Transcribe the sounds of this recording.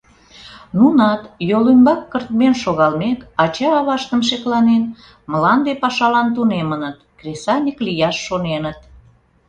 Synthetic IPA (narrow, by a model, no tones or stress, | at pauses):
nunɑt̪jolymbɑkːərt̪menʃoɣɑlmekɑt͡ɕɑːβɑʃt̪əmʃeklɑnen | məlɑnd̪epɑʃɑlɑnt̪unemənət̪krʲesɑnʲəklijɑʃːonenət̪